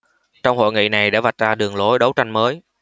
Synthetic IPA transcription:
t͡ɕɔ˧wŋ͡mho̰˧˨jŋḭ˧˨na˨˩jɗa̰ː˧˥va˨˩t̚zaː˧ɗɨ˨˩əŋlo˨˦jɗə˨˦wt͡ɕa˧jŋ̟məː˨˦j

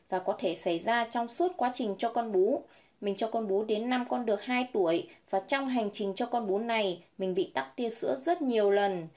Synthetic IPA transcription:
vaː˨˩kɔ˨˦t̪ʰe˧˩sa˧˩jzaː˧t͡ɕɔ˧wŋ͡msu˦˥t̚kwaː˨˦t͡ɕï˨˩ŋ̟t͡ɕɔ˧kɔ˧nɓu˨˦ | mï˨˩ŋ̟t͡ɕɔ˧kɔ˧nɓu˨˦ɗe˨˦nːa˧mkɔ˧nɗɨ˨˩ək̚haː˧jt̪u˧˩əjvaː˨˩t͡ɕɔ˧wŋ͡mɦa˨˩jŋ̟t͡ɕï˨˩ŋ̟t͡ɕɔ˧kɔ˧nɓu˨˦na˨˩jmï˨˩ŋ̟ɓḭ˧˨t̪a˦˥k̚t̪i˧əsɨ̰˧˥əzə˦˥t̚ɲi˨˩əwlə˨˩n

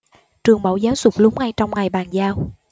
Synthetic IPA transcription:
t͡ɕɨ˨˩əŋɓa˧˦wzaː˨˦wzʊ˨˩k͡p̚lu˨˧˥ŋ͡m̚ŋa˧jt͡ɕɔ˧wŋ͡mŋa˨˩jɓaː˨˩nzaː˧w

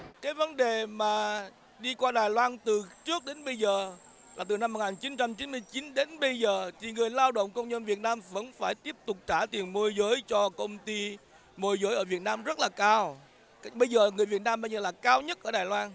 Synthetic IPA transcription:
kaː˨˦jvə˨˦nɗe˨˩maː˨˩ | ɗi˧kwaː˧ɗaː˨˩jlwaː˧nt̪ɨ˨˩t͡ɕɨ˦˥ək̚ɗe˨˦nɓə˧jzəː˨˩ | laː˨˩t̪ɨ˨˩na˧mː˨˩t̚ŋaː˨˩nt͡ɕi˨˦nt͡ɕa˧mt͡ɕi˨˦nmɨ˧əjt͡ɕi˨˦nɗe˨˦nɓə˧jzəː˨˩t̪ʰi˨˩ŋɨ˨˩əjlaː˧wɗə̰˧˨wŋ͡mkə˧wŋ͡mɲə˧nvi˨˩ət̚naː˧mvə̰˧˥nfaː˧˩jt̪i˦˥əp̚t̪ʊ˨˩k͡p̚t͡ɕaː˧˩t̪i˨˩ənmo˧jzəː˨˦jt͡ɕɔ˧kə˧wŋ͡mt̪i˧ | mo˧jzəː˨˦jʔəː˧˩vi˨˩ət̚naː˧mzə˦˥t̚laː˨˩kaː˧w | ɓə˧jzəː˨˩ŋɨ˨˩əjvi˨˩ət̚naː˧mɓə˧jzəː˨˩laː˨˩kaː˧wɲə˦˥t̚ʔəː˧˩ɗaː˨˩jlwaː˧n

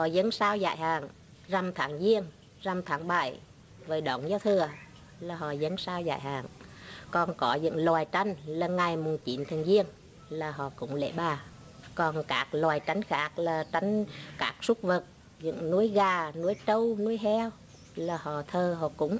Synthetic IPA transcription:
hɔ̰˧˨zə˨˦ŋsaː˧wza̰ː˧˨jhaː˨˩ŋ | za˨˩mt̪ʰaː˨˦ŋzi˧əŋ | za˨˩mt̪ʰaː˨˦ŋɓa˧˩j | vəː˨˩jɗɔ˧˩nzaː˨˧˦t̪ʰɨ˨˩ə | laː˨˩ɦɔ̰˧˨˩zə˨˦nsaː˧wza̰ː˧˨jɦa̰ː˨˩˨ŋkɔ˨˩nkɔ˨˦zɨ̰˧˥ŋlwaː˨˩jt͡ɕa˧jŋ̟ləː˨˩nŋa˨˩jmu˨˩ənt͡ɕi˨˦nt̪ʰɨ˨˩əŋzi˧əŋ | laː˨˩ɦɔ̰˧˨kʊ̰˧˥ŋ͡mlḛ˧˩ɓaː˨˩ | kɔ˨˩nkaː˦˥k̚lwaː˨˩jt͡ɕa˨˦jŋ̟xaː˦˥k̚laː˨˩t͡ɕa˨˦jŋ̟kaː˦˥k̚su˦˥k͡p̚və˨˩t̚ | zɨ̰˧˥ŋnu˨˦˥əjɣaː˨˩nu˨˧˥əjt͡ɕə˧wnu˨˦əjɦɛ˧w | laː˨˩hɔ̰˧˨t̪ʰəː˨˩ɦɔ̰˧˨kʊ̰˧˥ŋ͡m

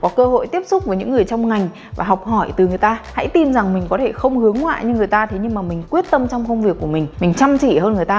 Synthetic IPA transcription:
kɔ˨˦kəː˧ho̰˧˨jt̪i˦˥əp̚sʊ˦˥k͡p̚vəː˨˦jɲɨ̰˧˥ŋːɨ˨˩əjt͡ɕɔ˧wŋ͡mŋa˨˩jŋ̟ | va̰ː˨˩ɦa˨˩wk͡p̚hɔ˧˩jt̪ɨ˨˩ŋɨ˨˩əjt̪aː˧ha̰˧˥jt̪i˧nza˨˩ŋmï˨˩ŋ̟kɔ˨˦t̪ʰe˧˩xə˧wŋ͡mhɨ˨˦əŋwa̰ː˧˨ɲɨ˧ŋːɨ˨˩əjt̪aː˧t̪ʰe˨˦ɲɨ˧ŋmaː˨˩mï˨˩ŋ̟kwi˦˥ət̚t̪ə˧mt͡ɕɔ˧wŋ͡mkə˧wŋ͡mvi˨˩əkːu˧˩əmï˨˩ŋ̟mï˨˩ŋ̟t͡ɕa˧mt͡ɕḭ˧˨ɦəː˧nŋɨ˨˩əjt̪aː˧

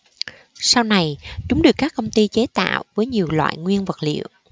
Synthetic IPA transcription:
sa˧wna˨˩jt͡ɕʊ˨˦ŋ͡mɗɨ˨˩əkːaː˦˥kːə˧wŋ͡mt̪i˧t͡ɕe˨˦t̪a̰ː˧˨wvəː˨˦jɲi˨˩əwlwa̰ː˧˨jŋwi˧ənvə˨˩t̚lḭ˧˨əw

